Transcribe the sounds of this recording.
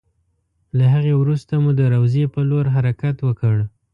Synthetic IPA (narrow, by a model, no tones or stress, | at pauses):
laɦaɣewɾust̪amud̪əɾawzepəloɾɦaɾakat̪wəkəɽ